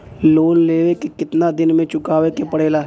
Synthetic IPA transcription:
loːnleːʋekekɪt̪nad̪ɪnmẽt͡ʃʊkaːʋekepɐɽ̤eːlaː

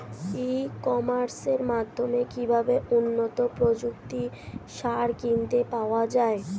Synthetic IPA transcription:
ikɔmaɾseɾmad̪ʱːomekibʱabeʔunːot̪opɾod͡ʑukt̪i | ʃaɾkint̪epaoad͡ʑae

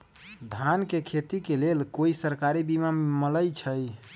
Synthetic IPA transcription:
d̪ʱankekʰet̪ikelelkoisəɾkaɾibimamələjt͡ʃʰəj

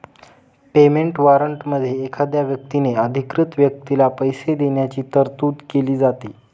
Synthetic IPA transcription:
pemeɳʈʋaɾəɳʈməd̪ʱːjeːkʰad̪jaʋjək̚t̪ineəd̪ʱikɾɪt̪ʋjək̚t̪ilapəjsed̪eɳjat͡ɕiːt̪əɾt̪uːd̪keliːd͡zat̪iː

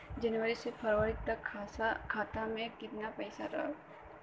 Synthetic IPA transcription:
d͡ʒɐnwəɾisepʰɐɾʋəɾɪk̚t̪ɐkʰkʰaːt̪amẽkɪt̪napɛɪsaɾa̰ɦ

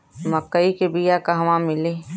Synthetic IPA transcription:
mɐkːəikebijakaɦʋãmɪli

